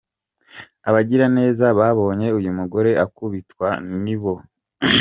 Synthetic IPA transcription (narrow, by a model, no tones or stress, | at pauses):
aβaɟiɾane̞ːzaβaβo̞ːɲe̞ujumuɡo̞ɾe̞ʔakuβitwaniβo̞